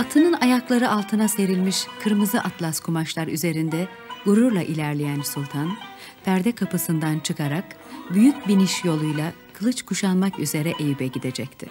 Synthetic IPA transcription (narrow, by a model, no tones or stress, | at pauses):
at̪ʰɯnɯnajaklˠaɾɯalˠt̪ʰɯnase̞ɾilʲmiʃkʰɯɾmɯzɯʔat̪ʰlˠaskʰumaʃlˠaɾyze̞ɾind̪ɛ | ɡuɾuɾlˠaʔilʲæɾlʲejænsulʲˠt̪ʰan | pʰæɾd̪ɛkʰapɯsɯnd̪ant͡ʃʰɯkʰaɾak | byjyc̚biniʃjo̞lˠujlˠa | kʰɯlˠɯt͡ʃkʰuʃanmakyze̞ɾɛʔejybɛɟid̪e̞d͡ʒɛc̚t̪ʰɪ̰